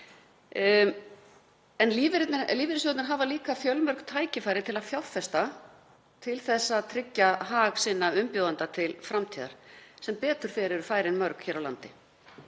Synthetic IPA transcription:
ɛnliːvɪɾt̪nliːvɪɾɪsjɔːt̪nɪɾɦaːvaliːkafjœlmœɾ̥kt̪ʰaːjcɪfaːjɾɪt̪ʰɪlaðfjawfɛst̪a | t̪ʰɪlθɛsːat̪ʰɾɪcːaɦaːɣsɪnːaʏmpjowðant̪at̪ʰɪlfɾamt̪ʰiːða̰ɾ̥sɛmpɛːt̪ʏɾ̥fɛːɾɛɾʏfaːjɾɪnmœɾkçɛːɾawla̰nt̪ɪ

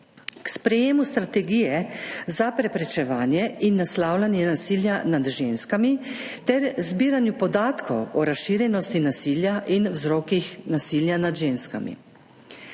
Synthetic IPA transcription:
kspɾɛjeːmust̪ɾat̪ɛɡijɛzapɾɛpɾɛt͡ʃɛʋaːnjɛʔinːaslaːwlanjɛnasiːljanad̪ʒeːnskamit̪ɛɾzbiːɾanjupɔd̪aːt̪kʰɔwɔɾasʃiːɾjɛnɔst̪inasiːljaʔinwzɾɔːkixnasiːljanad̪ʒeːnska̰mḭ

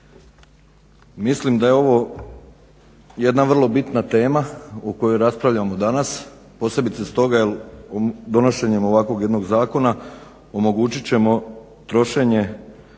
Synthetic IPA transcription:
mislimd̪aje̞o̞ʋo̞ | je̞d̪naʋər̩lˠo̞bit̪nat̪e̞ːmauko̞jojɾaspɾaʋʎʲamo̞d̪anas | po̞se̞bit̪sest̪o̞ɡajel | d̪o̞no̞ʃe̞ɲe̞mo̞ʋakʋo̞ɡje̞d̪no̞ɡzaːko̞na | o̞mo̞ɡuːt͡ɕit͡ɕe̞mo̞ | t̪ɾo̞ʃe̞ɲe̞

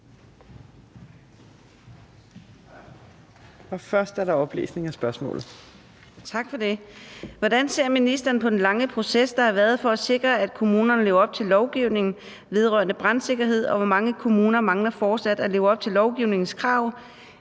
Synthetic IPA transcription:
ɒfɶɐsd̥æɐɾɑ̈ɒ̽b̥lḛːsne̝ŋæsb̥ɶɐsmɔ̰̽ːlð̩ˠ | t͡sʰɑ̈ɡ̥fɒ̽d̥e̝ʋɒd̥ænse̝ɐ̰minisd̥ɐːn̩pʰɒ̽d̥enlɑ̈ŋəpʰʁo̝sesd̥ɑ̈hɑ̈ʋæːɐð̞ˠfɒ̽æse̝ɡ̥ʁɐæd̥̚kʰo̝muːnɐnle̝ːʊɒ̽b̥̚t͡sʰe̝lːɒʊɡ̥iʊne̝ŋn̩ | ʋe̝ð̞ˠʁɶɐnəb̥ʁan̥se̝ɡ̥ɐɦe̝ð̞̰ˠɒ̽ʋɒmɑ̈ŋəkʰo̝muːnɐmɑ̈ŋlɐfɒːd̥sæd̥æle̝ːʊɒ̽b̥̚t͡sʰe̝lːɒʊɡ̥iʊ̰ne̝ŋn̩skʰʁɑ̈ʊ̰

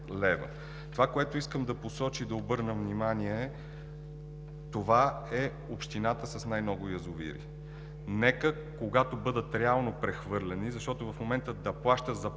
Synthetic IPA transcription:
lɛvə̰ | t̪ovakoɛt̪oiskəmd̪ɐposɔt͡ʃid̪ɐobɤɾnəvnimaniɛ | t̪ova | ɛ | opʃt̪inat̪əsɐsnajnɔɡʊjəzʊvḭɾḭ | nɛkə | koɡat̪obɤd̪ət̪ɾɛalˠnopɾɛxvɤɾlɛnizɐʃt̪ɔt̪ovɐfmomɛnt̪əd̪ɐplˠaʃt̪əzɐ

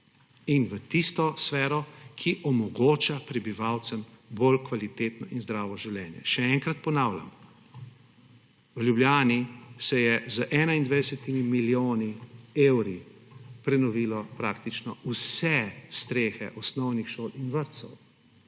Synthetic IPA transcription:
inʋət̪ist̪ɔsfɛːɾɔkʰiʔɔmɔɡoːt͡ʃapɾɛbiʋaːwt̪səmbolkʋalit̪eːt̪nɔ̰ʔinzd̪ɾaːʋɔʒiwljɛːnjɛ̰ʃɛɛŋkɾat̪̚pɔnaːwlʲa̰m | ʋljubljaːnisɛjɛzəʔɛnaind̪ʋajd̪ɛsɛt̪imimiljoːniewɾipɾɛnɔʋiːlɔpɾaːk̚t̪it͡ʃnɔusɛst̪ɾeːxɛ̰ʔɔsnɔwnixʃoːlinʋəɾt̪sɔ̰w

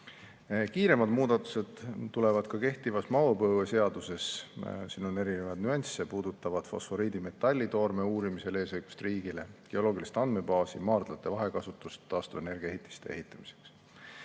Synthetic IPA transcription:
kiːɾe̞mɑd̪muːd̪̥ɑt̪ːˑu̥se̞d̪̥t̪ːule̞vɑd̪̥kɑke̞ht̪ivɑsmɑwopɤːwese̞ɑd̪̥use̞ssinone̞ɾine̞vɑd̪nyɑnʲsepuːd̪ut̪ːˑɑvɑd̪̥fo̞̰sfo̞ɾiːd̪ime̞t̪ːˑɑlʲːit̪o̞rmeuːɾimise̞le̞ːsɤjɡ̥u̥st̪riːɡile̞ɡ̥eo̞lo̞ːɡilist̪ɑnd̪me̞bɑːsḭmɑːrd̪̥lɑt̪ːˑe̞vɑɦe̞kɑsut̪ːˑust̪ːɑːst̪uvene̞rɡ̥iɑeɦit̪ːˑi̥st̪e̞̰e̞hit̪ˑːɑmi̥se̞̥ks

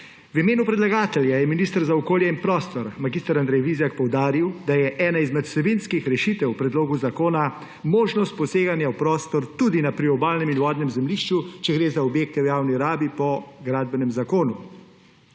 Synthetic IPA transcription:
wimeːnupɾɛd̪laɡaːt̪ɛljajɛminiːst̪əɾzaɔkoːljɛinpɾɔːst̪ɔɾmaɡist̪əɾand̪ɾɛjʋizjak̚pɔwd̪aːɾiwd̪ajɛʔɛːnaizmɛt̪sɛbinskixɾɛʃit̪ɛwpɾɛd̪loːɡuzakoːna | moːʒnɔst̪̚pɔseːɡanjawpɾɔːst̪ɔɾt̪uːd̪inapɾiɔbaːlnɛminʋɔːd̪nɛmzɛmliʃt͡ʃut͡ʃɛɡɾeːzaɔbjeːkt̪ɛwjaːwniɾaːbipɔɡɾaːd̪̚bɛnɛmzakoːnu

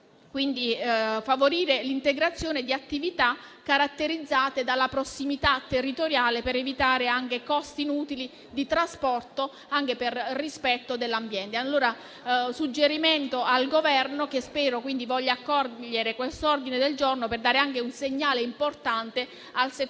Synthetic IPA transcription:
kwind̪ifavoɾiːɾelint̪eɡɾat̪sːjoːned̪iat̪ːivit̪akːaɾat̪ːeɾid̪zːaːt̪ed̪alːapɾosːimit̪at̪ːerːit̪oɾjaːlepeɾevit̪aːɾeaŋk̟ekɔst̪iːnuːt̪ili | d̪it̪ɾaspɔrt̪o | aŋk̟eperːispɛt̪ːod̪elːambjɛnt̪ealːoːɾa | sud͡ʒːeɾiment̪oalɡovɛrnok̟espɛːɾokwind̪ivɔʎːaːkːɔrʎeɾekwest̪ord̪ined̪eld͡ʒornoperd̪aːɾeaŋk̟eunseɲːaːleimport̪ant̪e | alse

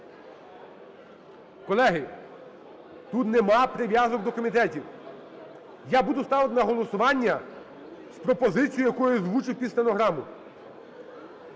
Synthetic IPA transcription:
kɔlˠɛɦɪ | t̪ut̪nɛmɑpɾɪʋʲjɑzɔk̚d̪ɔkɔmʲit̪ɛtʲiw | jabud̪ʊst̪ɑʋɪt̪nɐɦɔlˠɔsʊʋɑnʲːɐ | spɾɔpɔzɪt͡sʲijʊjɐkujʊzʋut͡ʃɪwpʲisʲlʲɐnɔɦɾɑmʊ

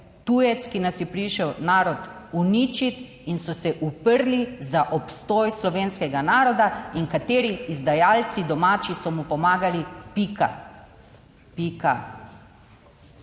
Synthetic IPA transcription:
t̪ujɛt̪skinasjɛpɾiʃɛwnaːɾɔt̪unit͡ʃit̪ | insɔsɛʔupəɾlizaʔɔpst̪ɔːjslɔʋeːnskɛɡanaːɾɔd̪aiŋkat̪eːɾiːzd̪ajaːlt̪sid̪ɔmaːt͡ʃisɔmupɔmaːɡalipika̰ | pika

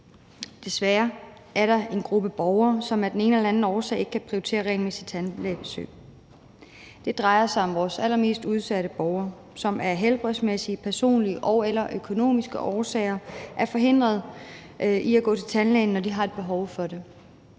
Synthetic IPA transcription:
d̥e̝sʋæːɐ | ʔæɐɾɑ̈e̝nɡ̥ʁub̥əb̥ɒʊɐːsɒ̽mæɐd̥ene̝ːnəelæn̩ɒːsɛ̰ɪe̝ɡ̥əkʰæpʰʁioit͡sʰe̝̰ːɐʁɛ̰ːlme̝̰ːsi̥t͡sʰænlɛ̰b̥esø̰ːɪ | d̥e̝d̥ʁɑ̈ɪɐsɑ̈ɪɒ̽mʋɒːsælɐme̝̰ːsd̥uð̞ˠsæɾəb̥ɒʊɐː | sɒ̽mʔæɐɦelb̥ʁɛsmesiəpʰæɐso̝̰ːnliəʔɒʊelɐʔøkʰo̝no̝̰ːmisɡ̥əʔɒːsɛ̰ɪɐʔæɐfɒ̽ɦe̝n̰d̥ʁɐð̩ˠ | ʔiæɡ̥ɔ̰̽ːt͡sʰe̝lt͡sʰænlɛ̰ɪn̩nːɒdiɦɑ̈e̝d̥̚b̥e̝ɦɒʊfɒ̽de̝

